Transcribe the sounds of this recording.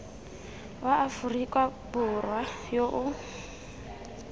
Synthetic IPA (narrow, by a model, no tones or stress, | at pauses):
waʔːfurikʼwab̥ʊrwajoʔʊ